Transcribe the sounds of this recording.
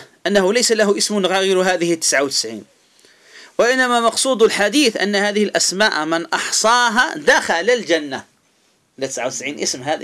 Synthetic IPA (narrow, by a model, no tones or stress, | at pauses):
ʔanːahʊlajsalahʊʔɪsmʊnɣaːjɪɾɦaːðɪhɪt̪ːɪ̥sʕawt̪ɪ̥sʕḭːn | waʔɪnːamamɑqsˤuːd̪alħad̪iːθʔa̰nːahaːðɪhɪlʔasmaːʔmɪnʔɑħsˤɑːɦa̰d̪axalald͡ʒanːa | ʔɪlːat̪ɪsʕawt̪ɪsʕiːnʔɪsmɦaːð